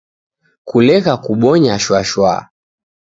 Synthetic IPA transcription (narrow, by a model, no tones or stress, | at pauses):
kulɛɣakuɓɔɲaʃwaʃwa̰